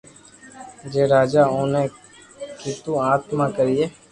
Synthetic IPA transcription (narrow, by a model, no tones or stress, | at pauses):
d͡ʒeːɾaːd͡ʒaːõːnẽː | kiːt̪ũːaːt̪mãːkəɾiːeː